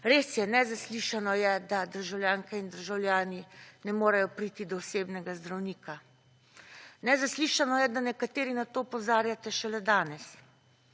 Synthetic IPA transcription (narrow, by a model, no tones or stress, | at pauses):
ɾeːsjɛnɛzasliʃanɔjɛd̪ad̪əɾʒawljaːŋkɛind̪əɾʒawlʲjaːninɛmoːɾajɔpɾiːt̪id̪ɔːseːbnɛɡazd̪ɾawniːkʰa | nɛzasliːʃanɔjɛd̪anɛkat̪eːɾinat̪oːpɔzaːɾjat̪ɛʃɛlɛd̪aːnɛs